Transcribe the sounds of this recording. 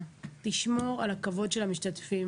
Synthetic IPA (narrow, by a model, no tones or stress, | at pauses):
tiʃmo̞ʁalakavo̞dʃelhamiʃtatfim